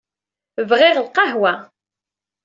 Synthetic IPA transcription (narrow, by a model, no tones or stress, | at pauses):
vʁɪʁlqɑɦwæ